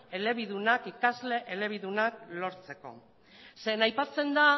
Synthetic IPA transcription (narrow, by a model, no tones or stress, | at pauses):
e̞le̞βiðunakikazle̞ʔele̞β̞iðunaklo̞ɾt͡se̞ko̞̰ | se̞najpat͡se̞nd̪a